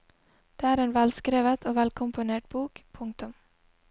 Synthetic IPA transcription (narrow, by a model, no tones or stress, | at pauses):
d̪̥eːæːɾeːnʋælskɾeːʋət̪ʰoːʋɛlkʰʊmpʊneːʈ̚b̥uːkpʰʊŋk̚t̪ʊm